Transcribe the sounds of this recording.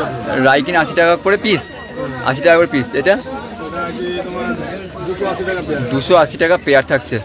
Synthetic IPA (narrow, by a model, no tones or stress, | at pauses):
ɾajkinaʃiʈakakoɾeplis | a̰ʃ̬iʈakakoɾeplisejʈa | akit̪oma | d̪uʃoaʃiʈakaped̪uʃoaʃiʈakapeaɾt̪ʰak̚t͡ɕʰe